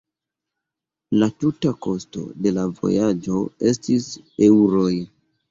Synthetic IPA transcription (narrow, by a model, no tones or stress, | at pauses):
latutako̞sto̞̰de̞lavo̰jad͡ʒo̞e̞stise̞wɾo̞j